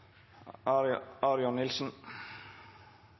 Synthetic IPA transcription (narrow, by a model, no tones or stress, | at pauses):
aɾjɔnɪlsʏn